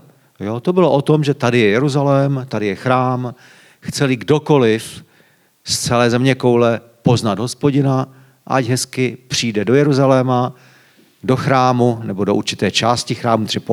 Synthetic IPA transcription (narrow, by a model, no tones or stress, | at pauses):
jot̪o̞bɪloʔo̞t̪o̞mʒɛt̪adɪjɛjɛɾuzalɛːmt̪adɪjɛxɾaːm | xt͡sɛlɪɡdo̞ko̞lɪf | st͡sɛlɛːzɛmɲɛko̞wlɛ | po̞znad̪ɦo̞spo̞ɟɪna | ʔaɟɦɛskɪpr̝̥iːdɛdo̞jɛɾuzalɛːma | do̞xɾaːmunɛbo̞do̞ʔuɾt͡ʃɪt̪ɛːt͡ʃaːscɪxɾaːmut̪r̥ɪp